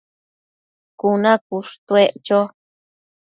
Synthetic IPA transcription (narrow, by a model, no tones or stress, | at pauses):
kunãkuʂt̪eʔt͡ʃo